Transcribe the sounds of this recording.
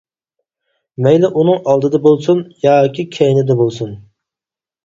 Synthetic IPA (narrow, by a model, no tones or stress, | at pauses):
mɛjlɪʔunɨŋɑlˠd̪ɨd̪ɛbolˠsunjɑːkʲikʲʰɛjnɪd̪ɛbolˠsun